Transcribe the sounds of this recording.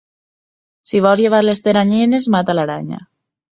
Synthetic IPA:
siβɔzʝeβ̞aɾlest̪eɾaɲene̞zmat̪alaɾaɲa̰

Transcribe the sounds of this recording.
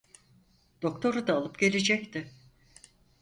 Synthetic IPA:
d̪̥o̞kt̪ʰo̞ɾud̪aːlˠɯpɟe̞lʲed͡ʒɛct̪ʰɪ

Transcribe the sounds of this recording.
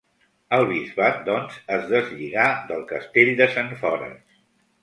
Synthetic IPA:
əlˠβ̞izβat̪̚d̪ɔnzəzðəzʎiɣaðəlˠkəst̪eʎd̪əsanfɔɾə̰ns

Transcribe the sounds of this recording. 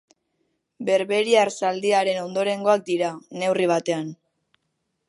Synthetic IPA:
be̞ɾβe̞ɾiaɾsald̪iaɾe̞no̞nd̪o̞ɾe̞ŋɡo̞ak̚d̪iɾane̞wriβ̞at̪e̞an

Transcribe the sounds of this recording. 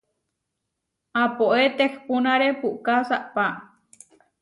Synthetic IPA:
apoʔet̪ehpunãɾepukasaʔpa

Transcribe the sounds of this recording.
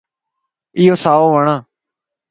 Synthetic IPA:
ɪːoːsaːoːʋəɳãː

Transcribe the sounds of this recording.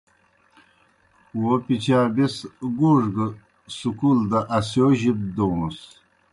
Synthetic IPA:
wopit͡ɕaːbesɡuʐɡə | sukuld̪aʔasjoʑib̚d̪ows

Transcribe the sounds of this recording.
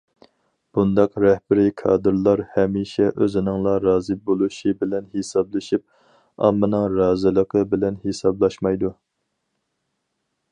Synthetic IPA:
b̥und̪ɑqɾɛhb̥ɪɾɪkʰɑ̰ːd̪ɨɾlˠɑɾhɛmiʃɛʔøzɪnɨŋlˠɑɾɑːzɨbolˠuʃibɪlɛnhesɑblˠɨʃip̚ | ɑ̰mːɨnɨŋɾɑːzɨlˠəqʰəbɪlɛnhesɑblˠɑʃmɑjd̪u

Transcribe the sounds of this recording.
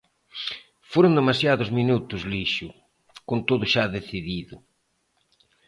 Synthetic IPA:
foɾʊnd̪emasjaðʊzminut̪ʊzliʃʊ | kont̪oðʊʃaðeθiðiðʊ

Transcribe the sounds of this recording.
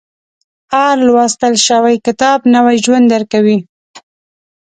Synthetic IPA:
ɑɾlwɑst̪əlʃəwajkɪt̪ɑbnawajʒwand̪aɾkawi

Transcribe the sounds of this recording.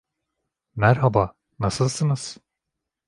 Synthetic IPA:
mæɾɦabaː | nasɯlˠsɯnɯz̥

